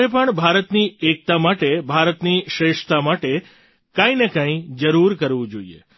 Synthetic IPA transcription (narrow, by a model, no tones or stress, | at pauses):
ep̬əɳbʱaɾət̪niek̚t̪amaʈebʱaɾət̪niʃɾeʃt̪amaʈe | kãĩnekãĩd͡ʒəɾuɾkəɾʋũd͡ʒoiḛ